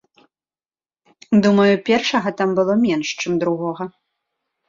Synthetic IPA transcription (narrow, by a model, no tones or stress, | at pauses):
d̪umɐjupʲɛrʂɐɣɐt̪ambɨlˠɔmʲɛnʂt͡ʂɨmd̪ɾuɣɔɣɐ